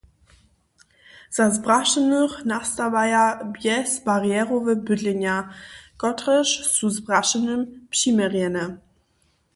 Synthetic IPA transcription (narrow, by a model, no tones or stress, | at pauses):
z̥azbʁaʃənuʁnast̪avajabjɛsb̥aʁjɛʁovəbʏdlɪnaɡ̥ɔtʁəʃsuzbʁaʃənəmpɕiməʁɛnə